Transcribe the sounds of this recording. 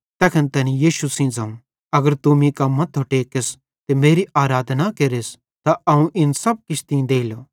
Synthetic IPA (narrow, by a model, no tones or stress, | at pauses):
t̪ɛːkʰənt̪ɛnĩjiːʃusĩd͡zɐũ | ɐɡəɾt̪ʊmĩkɐmːɐt̪ʰoʈeːkes | t̪emeːɾiʔaːɾaːd̪ʱnakeːɾes | t̪aʔɐũʔɪnsɐb̚kɪt͡ʃʰt̪ĩd̪eːiloː